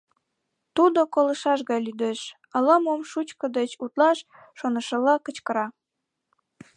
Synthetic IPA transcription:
t̪ud̪okoləʃɑʃɣɑjlyd̪eʃ | ələmomʃut͡ɕkə̆d̪et͡ɕut̪lɑʃː | onəʃəlɑkət͡ɕkəɾɑ

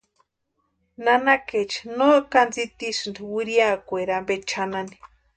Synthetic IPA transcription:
nanaket͡ʃinokand͡zit̪isɨnd̪iwiɾiakʷeɾambet͡ʃʰanani̥

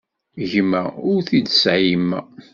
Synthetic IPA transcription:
ʝmæʊɾθid̪əsʕimːæ̰

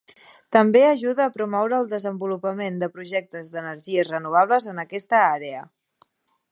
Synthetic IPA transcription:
t̪əmbeəʒuðəːpɾumɔwɾəːlˠd̪əzəmbulupəmend̪əpɾuʒɛk̚t̪əzðənərʒiəzrənuβ̞aβləzənəkɛst̪əaɾeə

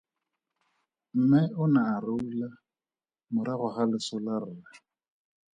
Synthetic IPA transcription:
m̩mɪʊnaːrɪula | mʊɾaɣʊχalɪsʊlarɪla

